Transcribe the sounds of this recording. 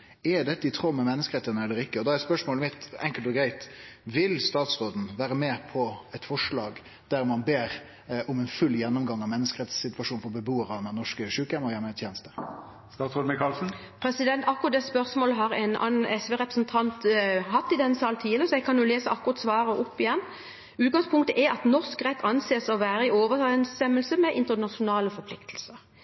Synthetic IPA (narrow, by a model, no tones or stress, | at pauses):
ɛd̪ɛt̪ːəɪt̪ʰʁɔmːɛmɛnːəskəɾɛt̪ːənəɛlːəɾɪkːəɔd̪ɑɛɾspœʂmoːlmɪt̪ɛŋkəlt̪ɔɡɾæɪt̪ʋɪlst̪ɑːt̪sʁoːd̪n̩ʋæːɾəmeːpʰɔɛt̪fɔʂlɑːɡ | d̪̥æɾmɑnbeːɾ | ʊmɛnfʉlːjɛnːʊmɡɑŋːɑʋmɛnːəskəɾɛt̪sːɪt̪ʋɑʂuːnfɔɾbəbuːəɾɑnɛnɔʂkəʂʉːkɛməɔjɛmɛt̪ʰjɛːnəst̪ə̥ | st̪ɑːsɔd̪mɪkʰɑlsn̩ | pʰɾɛsɪd̪ɛnt̪ɑkːʊʁɑt̪d̪ɛspœʁsmoːləɦɑɾɛ̰nɑ̰nɛsʋeːʁɛpɾəsnt̪ʰɑnt̪ɦɑt̪ːɪd̪ɛnsɑːlt̪ʰiːələɾəsɔɛɡkʰɑnjʊleːsəɑkːʊʁɑt̪sʋɑːɾəʔɔpːɪjɛnː | ʉːt̪̚ɡɑŋspʰʊŋkt̪əʔɛɑt̪nɔʁskʁɛt̪ʰːɑnseːsɔʋæːɾəɪoːʋəɛnst̪ɛmːəlsəmɛʔɪnt̪ənɑʂʊnɑːləfɔɾpʰlɪkt̪ʰl̩səɾ